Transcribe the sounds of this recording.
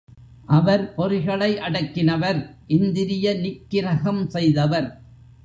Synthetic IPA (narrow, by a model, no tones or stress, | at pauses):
ʔɐʋɐɾpɔɾɪɣɐɭɐɪʔɐɽɐkːɪnɐʋɐɾʔɪnd̪ɪɾɪjɐnɪkːɪɾɐɣɐmsɛjðɐʋɐɾ